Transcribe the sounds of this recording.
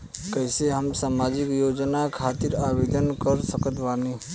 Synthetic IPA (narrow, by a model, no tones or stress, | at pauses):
kəɦseɦəmsaːmad͡ʒikjod͡ʒnakʰat̪iɾabed̪ənkəɾsəkət̪bani